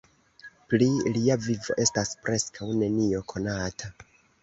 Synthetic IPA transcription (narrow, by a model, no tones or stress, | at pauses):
pliliavivo̞ʔe̞staspɾʔe̞skʰawne̞nio̞kʰo̞natʰa